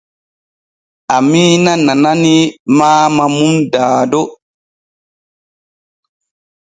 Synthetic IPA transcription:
amiːnanananimaːmamumdaːdɔ

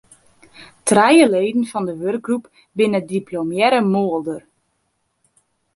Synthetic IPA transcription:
trɛjəleːdən̩fɔndəʋørk̚ɡrup | bɪnədiplomjɛɾəmoəlˠdər

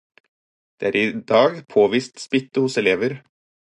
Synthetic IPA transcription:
d̪̥eːæːɾɪd̪ɑːɡpʰoːʋiːst̪spɪt̪ːəhʊsɛleːʋəɾ

